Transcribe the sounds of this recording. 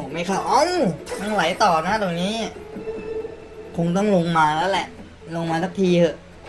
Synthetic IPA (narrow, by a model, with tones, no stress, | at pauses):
ɔ˨˩ma˧˥˩jkʰa˦˧˩wʔɔ˦˥˨na˧˩ŋla˨˩˦jt̪ɔː˨˩na˦˥˩d̪ɔː˨˩ŋniː˦˥˨ | kʰo˧ŋt̪̬ɔ˥˩ŋlo˧ŋmaː˧lɛː˦˥wlɛ˨˩ʔ | lo˧ŋmaː˧sa˦˩k̚t̪ʰiː˧ʔʰɤ˧˩